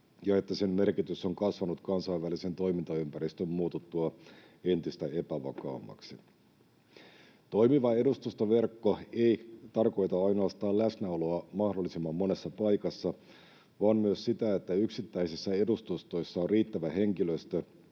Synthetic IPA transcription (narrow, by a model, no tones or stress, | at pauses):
jɑe̞t̪ːæse̞mme̞rkit̪yso̞ŋkɑsʋɑnut̪kɑnsɑiʋʋælise̞nt̪o̞jmint̪ɑympæɾist̪ømmuːt̪ut̪ːuɑ | e̞nt̪ist̪æe̞pæʋɑ̰kɑ̰ːmːɑ̰ksi | t̪o̞jmiʋɑe̞dust̪ust̪oʋe̞rkːoe̞it̪ɑrko̞jt̪ɑɑjno̞ɑst̪ɑːlæsnæolo̞ɑmɑhdolːˑisimːɑmːo̞ne̞sːɑpɑjkɑsːɑ | ʋɑːmmyøssit̪æe̞t̪ːæyksit̪ːæisisːæe̞dust̪ust̪o̞jsːɑorriːt̪ːæʋæhe̞ŋkiløst̪ø